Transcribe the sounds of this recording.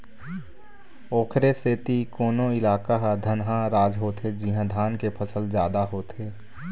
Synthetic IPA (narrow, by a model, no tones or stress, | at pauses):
oːkʰɾeseːt̪ikoːnõɪlaːkaɦad̪ʱənɦãɾaːd͡ʒɦoːt̪ed͡ʒiɦãd̪ʱaːnkepʰəsəld͡ʒjaːd̪aɦoːt̪eː